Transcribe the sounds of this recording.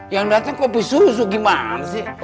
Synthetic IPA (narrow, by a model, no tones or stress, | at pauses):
jaŋdat̪aŋkɔpisus̬uɡimanasi